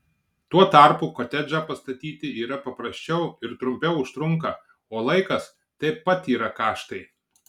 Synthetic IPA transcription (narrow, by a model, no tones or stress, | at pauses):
t̪uɔt̪ɐˑɾpuːkot̪ʲɛd͡ʒʲɐpɐst̪ɐt̪ʲiːt̪ʲɪiːɾɐpɐpɾɐsʲt͡ʃʲɛʊɪɾt̪ɾʊmʲpʲɛʊʊʃt̪ɾʊŋkɐ | oːlˠɐɪkɐs | t̪ɐɪpɐt̪iːɾɐkɑːʃt̪ɐɪ